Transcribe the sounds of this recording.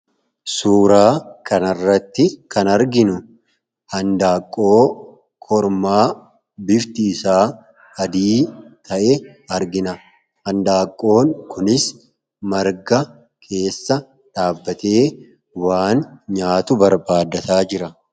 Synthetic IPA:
suːɾaːkʰɐnɐrːɐt̪ːɪkɐnɐɾɡɪnʊ | hɐnd̪aːkʼːo̞ː | kʰɔɾmaː | bɪft̪iːsaː | ɐd̪iːt̪ʰɐʔɛɐɾɡɪnɐ | hɐnd̪aːkʼːo̞ːŋkʰʊnɪs | mɐɾɡɐ | kʰe̞ːsːɐ | ᶑaːbːɐt̪e̞ː | waːnɲaːt̪ʊbɐɾbaːd̪ɐt̪aːd͡ʒɪɾɐ

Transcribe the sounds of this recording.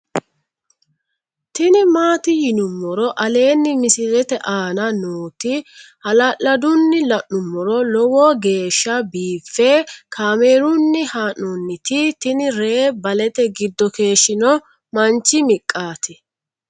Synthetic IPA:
t̪ɪnɪmaːt̪ɪjɪnʊmːɔɾɔʔɐle̞ːnːɪmɪsɪɾɛt̪ɛʔaːnɐnuːt̪ɪhɐlɐʔɐd̪ʊnːɪlɐʔnʊmːɔɾɔlɔwɔːɡe̞ːʃːɐbiːfːɛkʰaːmeːɾʊnːɪhaːnʊnːɪt̪ɪt̪ɪnɪɾe̞ːbɐlɛt̪ɛɡɪd̪ːɔke̞ːʃːɪnɔ | mɐnt͡ʃɪmɪkʼːaːt̪ɪ

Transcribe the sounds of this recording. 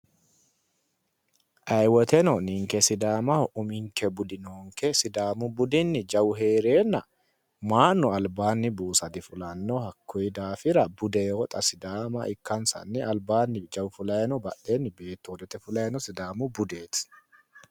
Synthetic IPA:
ʔɐjwɔt̪ɛnɔnɪŋkɛsɪd̪aːmɐʔʊmɪŋkɛbʊd̪ɪnoːŋkɛsɪd̪aːmʊbʊd̪ɪnːɪd͡ʒɐwʊɦe̞ːɾe̞ːnːɐ | maːnːʊɐlbaːnːɪbuːsɐd̪ɪfʊlɐnːɔhɐkːɔjɪd̪aːfɪɾɐbʊd̪ɛjwɔt̪ʼɐsɪd̪aːmɐʔɪkːɐnsɐ̰nːɪɐlbaːnːɪd͡ʒɐwfʊlɐjɛnɔbɐʔeːnːɪbe̞ːt̪ːowd̪ɛt̪ɛfʊlɐjɛnɔsɪd̪aːmʊbʊd̪e̞ːt̪

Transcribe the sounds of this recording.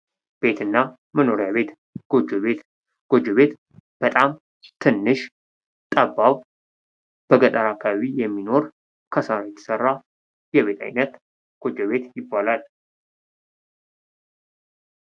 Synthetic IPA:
b̥e̞t̪ʰɨnːa | məno̞ɾjaβe̞t̪ | ɡ̥od͡ʒoβet̪ | ɡ̥o̞d͡ʒoβe̞t̪ | b̥ət̪ʼam | t̪ʰɨnːɨʃ | t̪ʼəbːaw | b̥əɡət̪ʼəɾakʰːaβaβijɛmːino̞ɾ | kʰəsaɾajɛt̪ʰə̥sərːa | jɛβe̞t̪ʰa̰jnət̪ | ɡ̥o̞d͡ʒoβe̞t̪jɪbːalal

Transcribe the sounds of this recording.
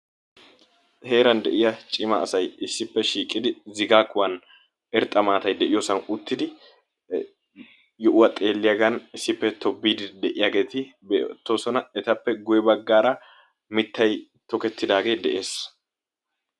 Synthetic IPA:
he̞ːɾɐnd̪ɛ̰ʔɪjɐt͡ʃʼɪmɐ̰ːsɐjɪsːɪpːɛʃiːkʼːɪd̪ɪzɪɡaːkʊwɐn | ɛɾt̪ʼːɐmaːt̪ɐjd̪ɛʔɪjoːsɐnʊt̪ːɪd̪ɪ | jɔʔʊwɐt̪ʼe̞ːlːɪjɐɡɐnɪsːɪpːɛt̪ɔbːiːd̪ɪd̪ɛʔɪjaːɡe̞ːt̪ɪbet̪ːoːsɔnɐɛt̪ɐpːɛɡʊjɛbɐɡːaːɾɐ | mɪt̪ːɐj | t̪ɔkɛt̪ːɪd̪aːɡe̞ːd̪ɛʔe̞ːs

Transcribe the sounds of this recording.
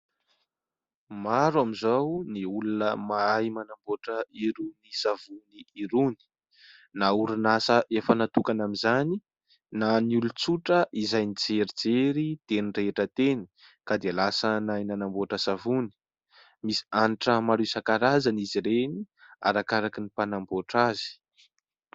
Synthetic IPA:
maɾwamizawniulunəmaajmanamboʈ͡ʂəiɾunisavuniiɾuni̥ | nauɾunasəʔefənat̪ukanamizani | nanulut͡suʈ͡ʂəʔizajnid͡zeɾid͡zeɾit̪eniɳreeʈ͡ʂət̪eni̥ | kad̪ealasənajnanamboʈ͡ʂəsavuni̥ | misi̥aniʈ͡ʂəmaɾusakaɾazaniziɾeni | a̰ɾakaɾakinipanamboʈ͡ʂazi̥

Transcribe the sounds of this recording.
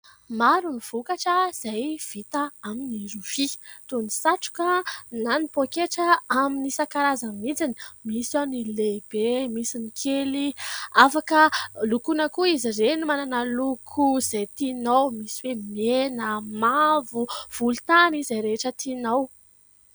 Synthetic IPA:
maɾuniv̥ukaʈ͡ʂəz̥ajv̥it̪aaminiɾuvit̪unisaʈ͡ʂu̥kananipokeʈ͡ʂəaminisakaɾazəmid͡zini̥misanileb̥emisinikʰeliafakəlukunəkuizirenimananəlukʰuz̥ajt̪inawmisiwemenəmavuv̥ulut̪anizaɾeeʈ͡ʂət̪inaw

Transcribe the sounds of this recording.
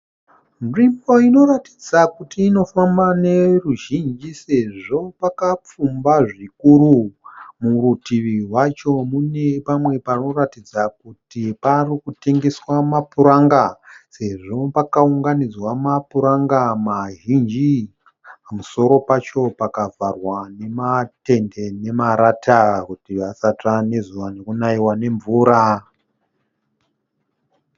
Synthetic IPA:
nrimbo̞ino̞ɾati̥d͡zakutiːno̞fambane̞ruʒind͡ʒise̞ʐo̞pakap͡fumbaʐikuɾumuɾutiʋiɦwat͡ʃo̞mune̞pamwe̞parino̞ratid͡zakutiparikute̞ŋɡe̞swamapuɾaŋɡase̞ʐo̞pakauŋɡanid͡zwamapuɾaŋɡamaɦind͡ʒi | pamuso̞ɾo̞pat͡ʃo̞pakavʱarwane̞mate̞nde̞ne̞maɾatʰakutiasatane̞zuʋanekunaiwane̞ɱvuːɾa

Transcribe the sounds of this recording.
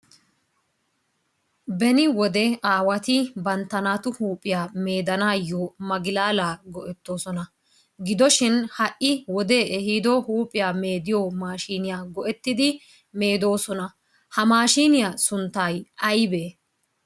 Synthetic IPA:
bɛnɪwɔd̪ɛaːwɐt̪ɪbɐnt̪ːɐnaːt̪ʊhuːpʼːɪjaːme̞ːd̪ɐnaːjːomɐɡɪlaːlaːɡɔʔɛt̪ːo̞ːsɔnɐ | ɡɪd̪ɔʃɪnhɐʔːɪwɔd̪e̞ːʔɛhid̪ɔhuːpʼɪjaːmeːd̪ɪjoːmaːʃiːnɪjaːɡɔʔɛt̪ːɪd̪ɪ | me̞ːd̪o̞ːsɔnɐ | hɐmaːʃiːnɪjaːsʊnt̪ːaːjʔɐjbeː

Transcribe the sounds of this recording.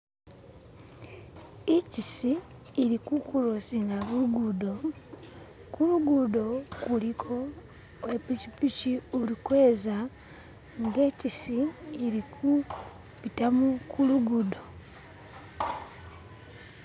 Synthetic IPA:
ecisiː | ɾikukulosiŋɡaβuuɡudo̞ | kuluɡudo̞kulikʰo̞ | epicipiciuɾikwe̞ːza | ŋɡe̞ːcisiːɾikʰu | βitamukʰuluɡudo̞

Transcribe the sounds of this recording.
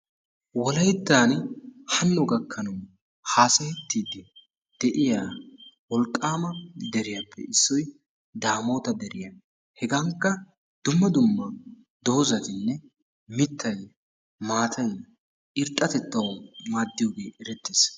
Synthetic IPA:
wɔlɐjt̪ːaːnhɐnːɔɡɐkʰːɐnɐw | haːsɐhɛt̪ːiːd̪ɪ | d̪̥ɛʔɪjaːwɔlkʼːaːmɐd̪ɛɾɪjɐpːɛ̰ʔɪsːɔj | d̪aːmoːt̪ɐd̪ɛɾɪjɐ | hɛɡɐŋkːɐ | d̪̥ʊmːɐd̪ʊmːɐ | d̪oːzɐt̪ɪnːɛ | mɪt̪ːɐj | maːt̪ʰɐj | ʔɪɾt̪ʼːɐt̪ɛt̪ːɐwmaːd̪ːɪjoːɡe̞ːɛɾɛt̪ːiːs

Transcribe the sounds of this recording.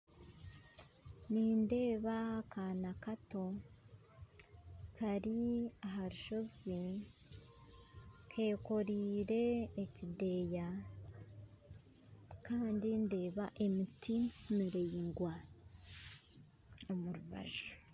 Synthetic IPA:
ninde̞ːβakʰaːnakato̞ | kʰaɾiaɦaɾuʃo̞zi | kʰe̞ːko̞ɾiːɾe̞ːcide̞ːja | kaːndinde̞ːβaʔe̞mitʰimiɾe̞jiŋɡwa | omuɾuβa̰ʒo

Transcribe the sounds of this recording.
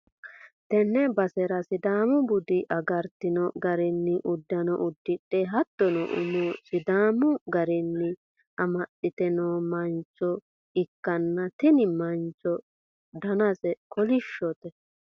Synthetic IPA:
t̪ɛnːɛbɐsɛɾɐsɪd̪aːmʊbʊd̪ɪʔɐɡɐɾt̪ɪnɔɡɐɾɛnːɪʔʊd̪ːɐnɔʔʊd̪ːɪᶑːɛɦɐt̪ːɔnɔʔʊ̰musɪd̪aːmʊɡɐɾɛnːɪ | ʔɐmɐɗɪt̪ɛnoːmɐnt͡ʃːɔ | ɪkːɐnːɐt̪ɪnɪmɐnt͡ʃːɔ | d̪ɐnɐsɛkɔlɪʃːɔt̪ɛ

